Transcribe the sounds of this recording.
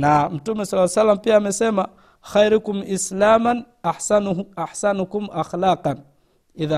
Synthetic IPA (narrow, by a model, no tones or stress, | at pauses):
namutumːesɔlːasalːampiamesema | xajɾukumʔislaːman | aħsaʔaħsanukumʔaxlaːqɑn | ʔiða